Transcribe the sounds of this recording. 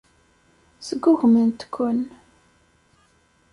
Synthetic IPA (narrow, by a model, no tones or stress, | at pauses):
səɡːʊʝmənt̪kʰʷːʊn